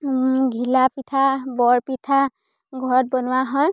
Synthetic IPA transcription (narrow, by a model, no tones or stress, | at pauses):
ɡʱilapitʰabɔɹpitʰa | ɡʱɔɹɔt̚bɔnʊwaɦɔj